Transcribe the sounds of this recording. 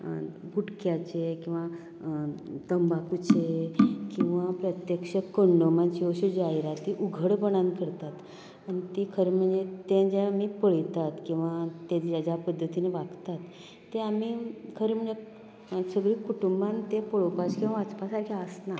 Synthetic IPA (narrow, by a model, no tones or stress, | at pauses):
ɡʱuʈkjat͡ɕekĩw̃ʋa | t̪əmbakut͡ɕekĩw̃ʋapɾət̪jəkʂəkəɳɖomanɕioɕud͡ʑaiɾat̪iʔuɡʱəɽbəɽ̃ãnkəɾt̪at̪ | anit̪ikʰəɾem̤əɳd͡zet̪ẽd͡ʑẽamipəɭijt̪at̪kĩw̃ʋat̪ẽjad͡ʑapəd̪ʱːət̪ineʋaɡt̪at̪ː | eamikʰəɾem̤əɳd͡ze | səɡɭiːkuʈumbant̪ẽpəɭopat͡ɕkĩw̃ʋaət͡spasaɾkʰiəsna